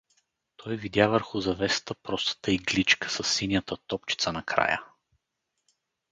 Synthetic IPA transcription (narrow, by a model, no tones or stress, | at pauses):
t̪ʰɔjvid̪ʲjavəɾxʊzɐvɛst̪əpɾɔst̪ə̥t̪əiɡlit͡ʃkə̥sɐsːinʲjət̪ət̪ɔpt͡ʃi̥t̪sənɐkɾa̰jə̰